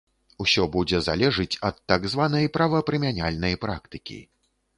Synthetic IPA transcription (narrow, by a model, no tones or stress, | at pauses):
usʲɔbud͡zʲɛza̰lʲɛʐɨt͡sʲɐt̪ːaɡzvanɐjpɾavɐpɾɛmʲanʲalʲnɐjpɾakt̪ɨkʲḭ